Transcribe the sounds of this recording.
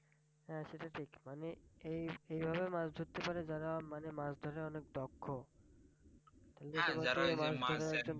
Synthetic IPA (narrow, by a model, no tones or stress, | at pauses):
ɦɛʃeʈaʈʰikmaneejejbʱabemasd̪ʱuɾt̪epaɾed͡ʑaɾamanemasd̪ʱoɾeɔnek̚d̪ɔkʰːo | t̪aleʃɔmaɾomasd̪ʱoɾeɛk̚d͡ʑon